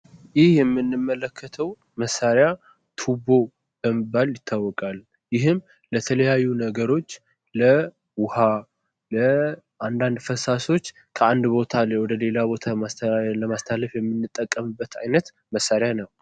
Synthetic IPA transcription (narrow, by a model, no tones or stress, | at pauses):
jɪhjɛmːɨnːɨmːələkʰːət̪ʰəw | məsaɾja | t̪ʰubo̞ | bəməbːaljɪt̪ʰːawːɔkʼal | jɪɦɨm | lət̪ʰələjajːunəɡəɾo̞t͡ʃː | lə | wʊha | lə | ʔand̪and̪fəsaso̞t͡ʃː | kʰəand̪bo̞t̪ʰalwɔd̪əle̞labo̞t̪ʰaaləmast̪ʰaləfjɛmːɨnːɨt̪ʼːəkʼːəmɨbːət̪ʰa̰jnət̪ | məsːaɾjanəw